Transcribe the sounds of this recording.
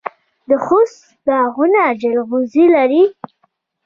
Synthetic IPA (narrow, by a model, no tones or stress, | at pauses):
d̪əxʊs | d̪aɣʊnad͡ʒəlɣuzilaɾi